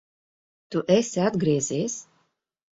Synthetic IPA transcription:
t̪uʔesʲad̪ɡɾiːzʲeːsʲ

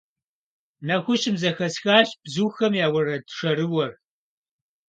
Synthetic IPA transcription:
nɐxʷʊɕɪmzɐxɐsxaːɕb̥zuːxɐmjaːwɐrɐdʰʂɐɾɨwɐr

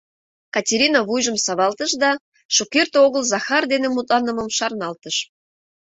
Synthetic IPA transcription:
kɑtʲeɾʲinɑβujʒəmsɑβɑlt̪əʃd̪ɑ | ʃokert̪oɣəlzɑxɑrd̪enemut̪lɑnəməmʃɑrnɑlt̪əʃ

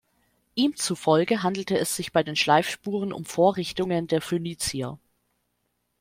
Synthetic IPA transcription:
ʔiːmt͡sufɔlɡəɦandl̩təɛsz̥ɪçb̥aɪdeːnʃlaɪfʃpuːʁ̞ənʔʊ̰mfoːɐʁɪçtʊŋəndeːɐføniːt͡siɐ̰

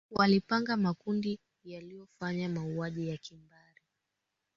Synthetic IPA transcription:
walipaŋɡamakundi | jalijɔfaɲamauaʄijakimbaɾi

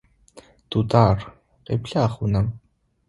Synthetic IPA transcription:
d̪̥ud̪aːr | qḛːpɬaːχʊnɐm

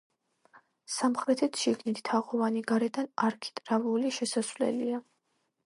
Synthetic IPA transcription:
samχɾɛt̪ʰɛt̪ʰʃiɡnit̪ʰt̪ʰaʁɔvaniɡaɾɛd̪anaɾkʰi̥t̪ʼɾavuliʃɛsasvlɛ̰lia

